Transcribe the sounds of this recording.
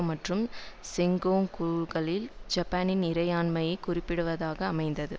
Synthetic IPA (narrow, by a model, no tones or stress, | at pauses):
mɐʈrɯmsɪŋɡoːŋkuːlɣɐɭɪld͡ʒɐpːaːnɪnɪɾɐjaːnmɐjɐɪkʊrɪpːɪɽɯʋɐðaːɣɐːmɐɪnd̪ɐðɯ